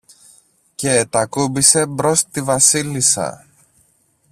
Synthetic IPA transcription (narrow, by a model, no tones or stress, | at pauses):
ce̞ːt̪ɐkubise̞bɾo̞st̪ivɐsilisɐ̰